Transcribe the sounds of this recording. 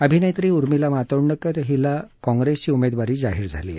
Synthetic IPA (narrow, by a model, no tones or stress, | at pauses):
əbʱinejt̪ɾiːuɾmilamat̪əɾɳəkəɾɦilakɔ̃ŋɡɾest͡ɕiːumed̪ʋaɾiːd͡zaɦiːɾd͡zʱa̰lḭːḛ